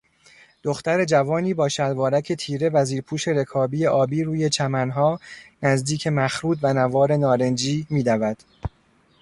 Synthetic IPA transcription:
d̪̥oxt̪æɾe̞d͡ʒævɒːniːbɒːʃælvɒːɾæcʰe̞t̪ʰiːɾe̞væziːɾpʰuːʃe̞ɾe̞kʰɒːbiːje̞ʔɒːbiːɾuːje̞t͡ʃʰæmænɦɒːnæzd̪iːcʰe̞mæxɾuːd̪vænævɒːɾe̞nɒːɾe̞nd͡ʒiːmiːd̪ævæd̪̥

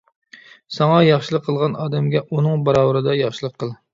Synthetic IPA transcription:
sɑŋɑjɑχʃilˠəqʰːəlˠʁɑnɑːd̪ɛmɡʲɛʔunɨŋbɑɾɑwəɾɨd̪ɑjɑχʃɨlˠəqʰːəlˠ

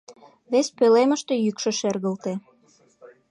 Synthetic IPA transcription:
βespøleməʃt̪e̽jykʃə̆ʃerɣə̆lt̪e

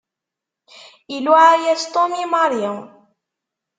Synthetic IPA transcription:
iluʕæjæzt̪omimɑɾjə

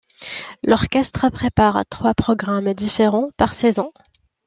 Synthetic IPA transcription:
lɔʁkʲɛst̪χəpχepaʁt̪χwapχɔɡʁamd̪ifeʁɑ̃paʁsɛzɑ̃

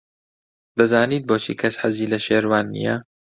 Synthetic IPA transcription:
d̪ɐzaːniːt̪̚boːt͡ʃʰḭːkʰɐsħɐziːlɐʃeːɾwaːnːḭjɐ

